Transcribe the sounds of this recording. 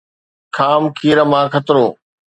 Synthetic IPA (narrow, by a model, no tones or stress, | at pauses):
kʰaːmkʰiːɾəmãːkʰət̪ɾoː